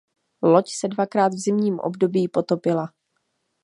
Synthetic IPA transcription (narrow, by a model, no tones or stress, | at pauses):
lo̞csɛdvakɾaːt̪vzɪmɲiːmʔo̰bdo̞biːpo̞t̪o̞pɪla